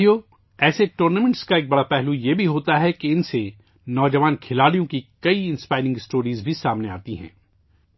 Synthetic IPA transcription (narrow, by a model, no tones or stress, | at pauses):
joː | ɛːseʈuːɾnamɛ̃ɳʈskaeːk̚bɐɽapɛɦlujebʱiɦoːt̪aɦɛkeɪnse | nɔːd͡ʒɐʋaːnkʰɪlaːɽijõkikɐiɪ̃nspaːɪɾɪ̃ŋɡɪsʈoːɾiːzbʱisaːmneaːt̪iɦɛ̰̃ː